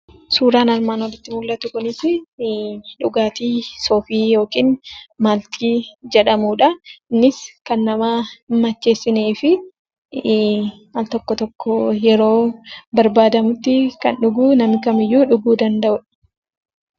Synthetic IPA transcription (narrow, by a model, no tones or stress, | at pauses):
suːɾaːnɐɾmaːnɔlɪt̪ːɪmʊɡlɐt̪ʊkʊnɪsɪ | ᶑʊɡaːt̪iːsoːfiːjo̞ːkiːnmaːlt̪iːd͡ʒɛᶑɐmuːᶑɐnːɪskɐnːɐmaːmɐt͡ʃːe̞ːsːɪneːfɪ | malt̪ɔkːɔt̪ɔkːɔjɛɾo̞ːbɐɾbaːd̪ɐmʊt̪ːɪkɐnᶑʊɡuːnɐmɪkɐmɪjːuːᶑʊɡuːd̪ɐnd̪ɐʔʊᶑɐ̥